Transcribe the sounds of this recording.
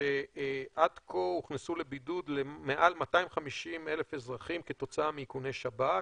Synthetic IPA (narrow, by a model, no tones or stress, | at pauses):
eʔadkʰouχnesulebidud̪leme̞ʔalmataimχamiʃime̞lefe̞zʁaχimket̪o̞t͡saamiikunejʃaba